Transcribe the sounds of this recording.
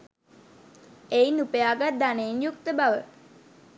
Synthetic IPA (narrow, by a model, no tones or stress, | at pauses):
ejnupəjaːɡat̪̚d̪aneːnjuk̚t̪əbaʋə